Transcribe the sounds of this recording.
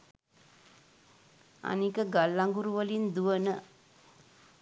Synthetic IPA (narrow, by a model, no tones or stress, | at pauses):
a̰nikəɡalːaŋɡuɾuʋəlind̪uʋənə